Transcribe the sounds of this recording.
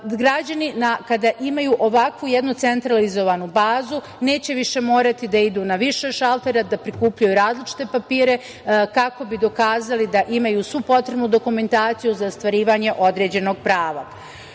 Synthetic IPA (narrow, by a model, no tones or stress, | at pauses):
ɡɾad͡ʑaninakad̪aʔimajuʔo̞ʋakʋujed̪nut̪se̞nt̪ɾalizo̞ʋanubaːzu | ne̞ːt͡ɕe̞ʋiʃe̞mo̞ːɾat̪id̪aid̪uːnaʋiʃe̞ʃalˠt̪e̞ɾad̪apɾikuːpʎujuɾaːzlit͡ʃi̥t̪e̞papiːɾe̞ | kako̞bid̪o̞kaːzalid̪aʔimajuːsʋupo̞t̪ɾe̞bnud̪o̞kume̞nt̪aːt̪sijuzaost̪ʋaɾiːʋaːɲe̞ʔo̞d̪ɾe̞ːd͡ʑe̞no̞ɡ̚pɾaːʋa